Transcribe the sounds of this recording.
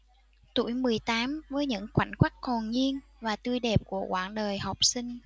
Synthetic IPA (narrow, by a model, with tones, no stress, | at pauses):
t̪ṵ˧˩jmɨ˨˩əjt̪aː˨˦mvəː˨˦jɲɨ̰˧˥ŋkwa˧˩ŋ̟kwa˦˥k̚ho˨˩nɲi˧ənvaː˨˩t̪ɨ˧jɗɛ˨˩p̚ku˧˩əkwaː˧˩nɗəː˨˩jɦa˨˩wk͡p̚si˧ŋ̟